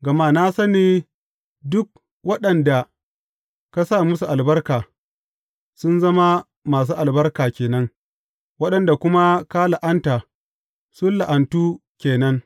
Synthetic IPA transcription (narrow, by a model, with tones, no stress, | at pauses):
ɡɐ˨ma˦na˦sɐ˦neː˨ | dʊ˦k̚ | wɐ˦ɗɐ˨nda˨ | ka˦saː˦˨mʊ˦s̬u˨ʔa˨lbɐ˦rkaː˨ | sʊ˦nzɐ˦ma˦ | maː˨s̬uː˦ʔa˨lbɐ˦rkaː˨kʲeː˨nɐ˦ŋ | wɐ˦ɗɐ˨nda˨kʷʊ˦ma˦ka˦la˨ʔa˦nta˨ | sʊ˦nla˨ʔa˨ntuː˦kʲeː˨nɐ˦ŋ